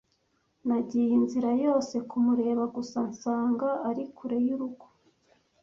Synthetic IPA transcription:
naɟiːjinziɾajo̞ːse̞kumuɾe̞ːβaɡusansaːŋɡaːɾikʰuɾe̞juɾuɡo̥

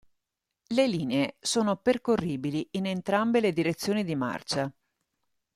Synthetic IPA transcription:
leliːneesoːnoperkorːiːbiliinent̪ɾambeled̪iɾet̪sːjoːnid̪ima̰rt͡ʃa

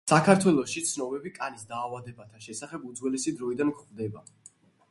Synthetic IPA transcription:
sakʰaɾt̪ʰwɛlˠɔʃit̪sʰnɔbɛbikʼanisd̪aːvad̪ɛbat̪ʰaʃɛsaχɛbud̪zwɛlɛsid̪ɾɔid̪ankχvd̪ɛba

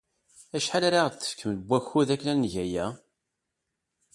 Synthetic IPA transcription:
æʃħalaɾaʁt̪ːə̥fkʰːəmlbʷːæçːuðækːnænnʝæjæ

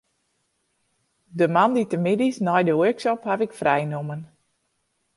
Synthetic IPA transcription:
dəmanditəmɪdisnɔjdəwøɹksɔphavɪkfrɛjnomən

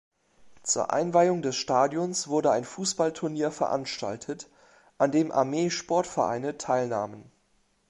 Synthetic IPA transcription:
t͡sṵːɐʔa̰ɪnvaɪʊŋdɛsʃtaːdjɔnsv̥ʊɐdəaɪnfuːsb̥altʰʊɐniːɐfɛɐʔa̰nʃta̰ltʰət | ʔandeːmʔa̰ɐmeːʃpɔɐtfɛɐʔa̰ɪnətʰaɪlna̰ːmən

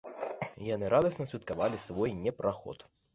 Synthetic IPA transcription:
janɨɾad̪ɐsnɐsʲvʲit̪̚kavalʲisvɔjnʲɛpɾʔaxɔ̰t̪

